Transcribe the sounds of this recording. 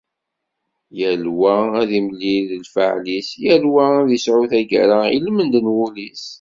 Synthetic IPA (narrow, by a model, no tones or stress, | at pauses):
jælwææðiməlːiðlfəʕlisjælwææðisʕʊθæɡə̰ɾailmənd̪ənwʊlis